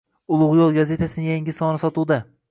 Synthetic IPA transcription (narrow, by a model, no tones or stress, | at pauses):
ʊlˠʊʁjolˠɡaze̞t̪ʰasɪnɪŋjaŋʲɪsɒnɪsɒt̪ʰuwd̪a